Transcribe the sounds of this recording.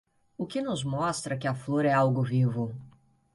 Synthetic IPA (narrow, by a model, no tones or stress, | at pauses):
ʊkɪnʊzmɔst̪ɾɐkɪɐfloɾɐɛawɡʊvivʊ